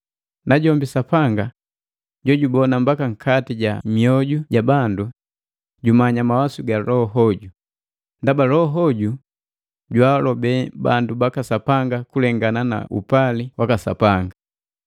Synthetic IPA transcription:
naɟɔmbisapaŋɡa | ɟɔɟubɔnambakaŋ̩kʰatiɟamiɔɟuɟabandu | ɟumaɲamawasuɡalɔɦɔɟu | ndabalɔɦɔɟu | ɟwalɔbɛba̰ndubakasapaŋɡakulɛŋɡanana̰ṵpaliwakasa̰paŋɡa

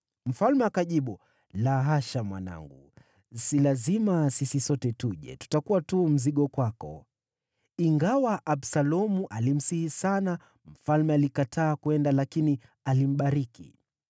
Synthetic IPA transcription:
m̩falmɛakaʄiɓu | laɦaʃamwa̰na̰ŋɡṵ | silazimasisisɔtɛtuʄɛ̰tu̥takuwatum̩ziɠɔkwakɔ̰ | iŋɡawaʔaɓsalɔmuʔalim̩sihisana | m̩falmɛalikatʰaːkuɛndalakini | alim̩ɓaɾikḭ

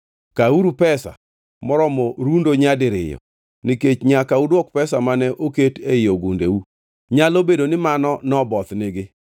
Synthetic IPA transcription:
kauɾupɛsa̰ | mɔɾɔmɔɾundoɲadɪɾɪ̰jɔ̰ | nɪket͡ʃɲakaudwɔk̚pɛsamanɛʔoketejoɡundḛu | ɲalobedonɪmanɔnɔbɔt̪nɪɡɪ

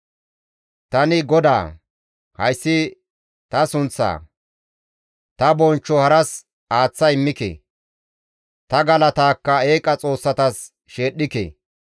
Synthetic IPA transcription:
t̪ɐnɪɡɔd̪a̰ː | hɐjsːɪ | t̪ɐsʊnt͡sːa̰ː | t̪ɐbɔnt͡ʃːɔhɐɾɐs | aːt͡sːɐjɪmːɪkḛ | t̪ɐɡɐlɐt̪aːkːɐe̞ːkʼːɐt͡sʼo̞ːsːɐt̪ɐs | ʃeːɗːɪkḛ

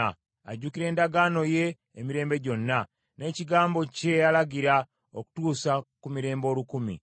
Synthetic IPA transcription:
a̰ɟuːkiɾe̞ːndaɡano̞je̞ː | miɾe̞ːmbe̞ɟo̞nːa | ne̞ːciɡaːmbo̞ce̞alaɡiɾa | o̰ku̥tuːsakumiɾe̞ːmbo̞ːlukumḭ

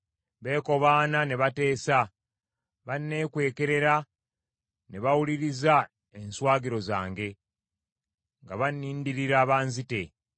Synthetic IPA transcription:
βe̞ːko̞βaːnane̞βate̞ːsa | βanːe̞ːkwe̞ːke̞ɾe̞ɾa | ne̞βawuliɾiza | e̞nswaːɡiɾo̞za̰ːŋɡe̞ | ŋɡaβanːiːndiɾiɾaːβaːnzite̞

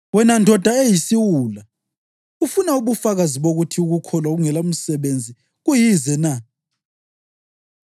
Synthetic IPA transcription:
wɛnandʱɔd̥ʱaejisiwuːla | ufunauβufaɣaziβoɣutʰiuɣukʰɔlwaɣuŋɛlam̩sɛβend͡zʱi | ɣujizɛna

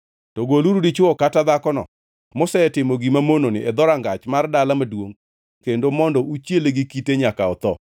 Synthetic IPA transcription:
tɔɡoluɾudit͡ʃʊɔkatad̪akɔnɔ̰ | mɔsɛɛtɪmoɡimamononɪʔɛd̪ɔɾaŋɡat͡ʃmardalamadwoŋ | kendomɔndɔʔut͡ʃjeleɡikiteɲakaɔt̪ɔ

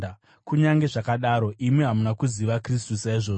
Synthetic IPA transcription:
kuɲaŋɡe̞ʐakaɗaɾo̞ʔimweɦamunakuziʋakris̬tusaiʐo̞ː

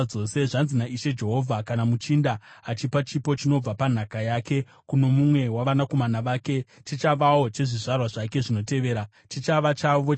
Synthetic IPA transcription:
o̞ːse̞ʐanzinaʔiʃe̞d͡ʒe̞ɦo̞vʱakanamut͡ʃindaːt͡ʃipat͡ʃipo̞t͡ʃino̞b͡vapan̤akajake̞ | kuno̞mumwe̞waʋanako̞manaʋaːke̞t͡ʃit͡ʃaʋao̞t͡ʃe̞ʐiʐarwaʐake̞ʐino̞te̞ʋe̞ːɾa | t͡ʃit͡ʃaʋat͡ʃaʋo

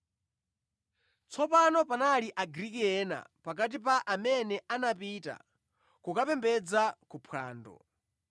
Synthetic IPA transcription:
t͡sʰɔpanɔpanaliʔaɡɾikiɛna̰pak̬at̬ipaʔamɛnɛʔanapita̰ | kukapɛmbɛd͡zakupʰwa̰ːndɔ̰

